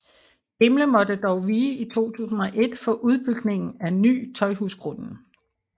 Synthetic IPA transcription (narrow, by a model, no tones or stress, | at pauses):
emləmɒ̽d̥əd̥ɒʊʋiːit͡sʰo̝̰ːt͡sʰṵːsn̩ɒ̽ʔe̝d̥fɒ̽ʔuðˠb̥yɡ̥ne̝ŋn̩æny̰ːt͡sʰɒ̽ɪhusɡ̥ʁɔnn̩